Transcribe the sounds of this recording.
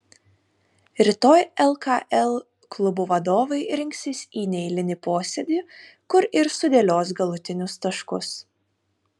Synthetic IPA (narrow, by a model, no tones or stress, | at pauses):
ɾʲɪt̪oːjɛlˠkɑʔɛlˠ | klˠʊbuʋɐd̪oːʋɐɪɾʲɪŋʲksʲɪsʲiːnʲɛɪlʲɪnʲɪpoːsʲɛd̪ʲiːkʊɾɪɾsʊd̪ʲeːlʲoːsɡɐlˠʊt̪ʲɪnʲʊst̪ɐʃkʊs